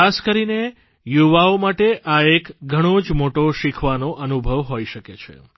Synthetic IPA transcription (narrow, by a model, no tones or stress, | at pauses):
askəɾine | juʋaomaʈeʔaekɡʱəɽ̃õd͡ʒmoʈoʃikʰʋanoʔənubʱəʋɦoiʃəket͡ʃʰḛ